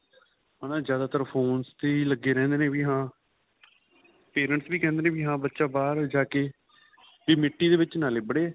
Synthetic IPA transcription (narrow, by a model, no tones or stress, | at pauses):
ɦaːnaːd͡ʒjaːd̪aːt̪əɾpʰoːnst̪eːiləɡːeːɾɛ̃ːnd̪eːnẽːʋiːɦãː | peːɾəɳʈsbiːkɛ̃ːnd̪eːnẽːbiːɦãːbətːʃaːbaːɾd͡ʒaːke | biːmɪʈːiːd̪eːʋɪt͡ʃnaːleːbəɽeː